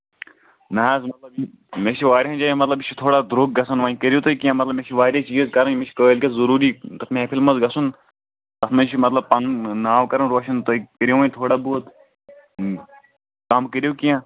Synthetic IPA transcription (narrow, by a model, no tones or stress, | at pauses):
nɐaːzmɐt̪lɐb | met͡ʃʰiʋaːɾʲɦɐ̃nd͡ʒaːjĩmɐt̪lɐbit͡ʃʰit̪ʰoːɽaːd̪ɾuɡ̚ɡɐsunʋãĩkəɾʲijut̪oikijãːmɐt̪lɐbmeʃʰiʋaːɾʲɐt͡ʃiːizkɐɾɐnmet͡ʃʰi̥kɐlkʲezɐɾuːɾiːt̪ɐtmeepʰilmɐzɡɐsun | t̪ɐsmɐt͡ʃʰimɐt̪lɐb̚pɐnnaːwkɐɾɐnɾoːʃɐnt̪oikəɾʲjõʋɐːĩt̪ʰoːɽaboːt̪ | kaːmkəɾijukijãː